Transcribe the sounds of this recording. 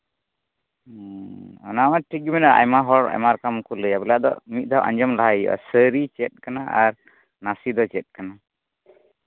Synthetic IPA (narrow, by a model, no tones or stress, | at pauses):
ɔnamaʈʰik̚ɡimɛnaʔa̰jmaɦɔɾa̰jmaɾkamkuləjabɛlaʔd̪ɔ̰mit̪̚ˀd̪awʔa̰ɲd͡ʒɔmlaɦaja̰səɾit͡ʃɛt̪̚ˀkanaaɾ | nasid̪ɔt͡ʃɛt̪̚kana